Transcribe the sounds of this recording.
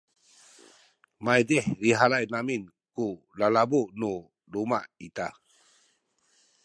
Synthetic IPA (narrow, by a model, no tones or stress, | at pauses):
majdɛhɾiɦalajnamin | ku | lalabuʔnu | lumaʔit̪a